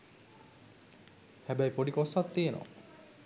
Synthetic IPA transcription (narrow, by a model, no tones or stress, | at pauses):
hæbæjpoɖikosːat̪ːieno̰